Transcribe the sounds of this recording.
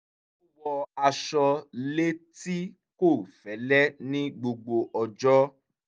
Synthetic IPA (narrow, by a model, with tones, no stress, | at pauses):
wɔ˧a˧ʃɔ˧le˦ti˦ | ko˦˨fɛ˨˦lɛ˦nĩ˦ɡ͡bo˧ɡ͡bo˧ʔɔ˧d͡ʒɔ˦